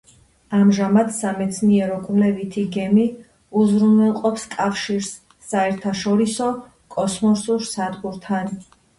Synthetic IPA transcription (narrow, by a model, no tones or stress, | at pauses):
amʒamad̪samɛt̪sʰniɛɾɔkʼvlɛvit̪ʰiɡɛmi | uzɾunɛlˠqʼɔpskʼafʃiɾsː | aɛɾt̪ʰaʃɔɾisɔ | kʼɔsmɔsuɾsad̪ɡuɾt̪ʰan